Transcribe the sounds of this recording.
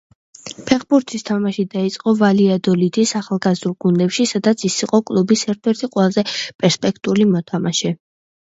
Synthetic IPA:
pʰɛχbuɾt̪ʰist̪ʰamaʃid̪ait̪sʼqʼɔvaliad̪ɔlid̪isaχalˠɡazd̪uɾˠɡund̪ɛpʃisad̪at̪sʰisiqʼɔkʼlˠubisɛɾt̪ʰɛɾt̪ʰiqʼwɛlˠazɛpʼɛɾspʼɛkʰt̪ʼulimɔt̪ʰamaʃɛ

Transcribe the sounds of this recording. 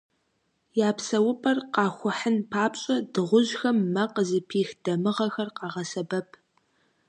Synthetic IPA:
jaːpsɐwʊpʰʼɐrqɑːxʷʊħənpʰaːpɕʼɐdɨʁʷʊʑxɐmːɐqəzɨpʰiːxd̥ɐmɨʁɐxɐrqɑːʁɐsɐbɐpʰ

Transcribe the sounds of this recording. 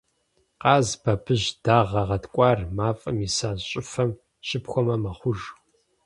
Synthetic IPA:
qɑːzbɐbʰɨʑd̥aːʁɐʁɐtʰkʷʼɑːrmaːfʼɐmisaːɕʼɪfɐm | ɕɪpxʷɔmɐmɐχʷʊʒ

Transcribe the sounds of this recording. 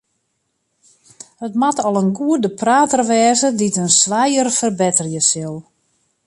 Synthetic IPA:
hətmatɔlˠənɡuədəpraːtərʋɛːzəditənsʋajərfərbɪtərjəsɪlˠ

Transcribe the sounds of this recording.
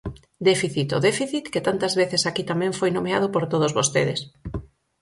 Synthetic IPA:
d̪ɛfiθit̪oðɛfiθit̪ket̪ant̪ɐzβeθɪsakit̪amɛ̃ɱfojnomeað̞ʊpoɾt̪oð̞ozβost̪eðɪs

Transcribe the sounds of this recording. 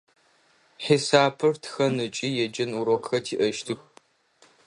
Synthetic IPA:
ħisaːpʰɨrtʰxɐnɨt͡ʃʼijɛd͡ʒɐnuɾoqxɐtʰiːʔɐʃtʰɨx

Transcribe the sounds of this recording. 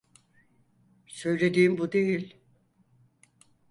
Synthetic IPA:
søjlʲed̪iːmbud̪ejilʲ

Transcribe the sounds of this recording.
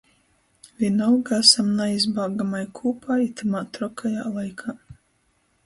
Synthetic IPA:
vʲiɛnawɡasamnaizbaːɡamajkʰuːpajit̪ʰamaːt̪ɾɔkʰaja̰ːlˠajkʰaː

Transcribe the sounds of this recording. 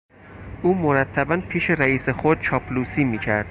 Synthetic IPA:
ʔuːmoɾæt̪ʰːæbænpʰiːʃe̞ɾæiːsexod̪̥̚t͡ʃʰɒːpʰluːsiːmiːcʰæɾd̪̥̚

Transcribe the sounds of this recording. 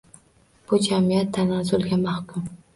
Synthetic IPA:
b̥ʊd͡ʒamijat̪ʰːanɑzʊlˠɡʲamahkʰʊm

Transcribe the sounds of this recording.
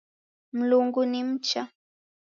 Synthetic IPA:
mlʊŋɡʊnɪmt͡ʃa

